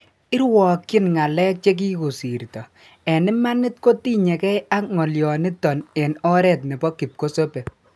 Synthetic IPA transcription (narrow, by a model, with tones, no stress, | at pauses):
ɪ˦ɾwɔ˨kːɪ˦nŋa˨lɛ˦k̚t͡ʃe˦k̬i˦ku˨si˨ɾtɔ˨ | ɛ˨nɪ˦ma˦nɪ˦t̚ko˦ti˦ɲɛ˨kɛ˦a˦k̚ŋɔ˨ljɔ˨nɪ˦tɔ˨ne˨nɔ˦ɾɛ˦˨tnɪ˨pɔ˦ki˨p̚ko˦so˦pe˨